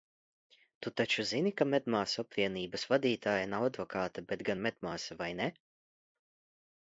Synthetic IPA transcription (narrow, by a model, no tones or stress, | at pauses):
t̪ut̪at͡ʃuzinikamʲɛd̪maːsapɾiɛniːbɐsvad̪iːt̪aːjanawad̪vɔkʰaːt̪abʲet̪ɡanmʲɛd̪maːsɛvajne